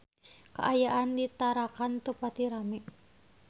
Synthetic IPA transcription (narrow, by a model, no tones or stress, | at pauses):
ka̰ʔajaʔandit̪aɾakant̪upat̪iɾamɛʔ